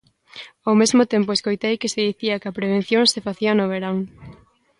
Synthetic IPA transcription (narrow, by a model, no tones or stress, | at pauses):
awmezmot̪empoeskojt̪ejkɪseðiθiɐkɪɐpɾeβ̞ẽn̟θjoŋsefaθiɐnoβ̞eɾaŋ